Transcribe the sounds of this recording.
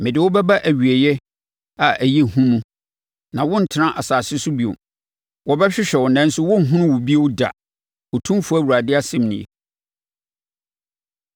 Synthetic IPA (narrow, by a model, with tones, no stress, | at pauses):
mɪ̃˨dɪ˨wɔ˦bɛ˦ba˦ʔæ˨ɥi˨e˨jɛ˦ | a˨ʔæ˨ji˦˨hũ˦mũ˦ | nã˨wɔ̃˦n̩˨tʰɪ˨nã˦ʔa˨saː˨sɪ˦sʊ˦bi˨o̰˨ | wɔ˦bɛ˦ɕᶣɪ˦ɕᶣɛ˨wɔ˨nɛ̃˦n̩˦sʊ˦wɔ̃˦ŋ̩˨ɦʊ̃˦nʊ̃˦wʊ˨bi˦e˦wʊ˦da̰˨ | o˨tʰũ˦mfʊ˦æ˦˨wu˨ɾa˨dɪ˦a˦sɛ̃˦˨mnɪ̰̃˨ḛ˨